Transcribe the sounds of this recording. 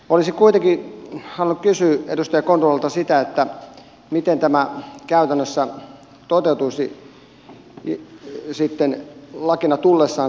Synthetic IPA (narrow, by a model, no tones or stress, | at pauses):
olisikuit̪eŋkisɑnunːukkysyːedust̪ɑjɑkont̪rolelt̪ɑsit̪æet̪ːæ | mit̪ent̪æmækæˑyt̪ænːøsːæ | t̪ot̪eut̪uisi | sit̪ːenlɑkinɑt̪ulːesːɑː